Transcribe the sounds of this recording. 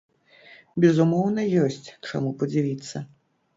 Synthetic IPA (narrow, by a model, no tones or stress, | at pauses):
bʲɛzumɔwnɐjɔsʲt͡sʲt͡ʂa̰mupɐd͡zʲivʲit̪sːɐ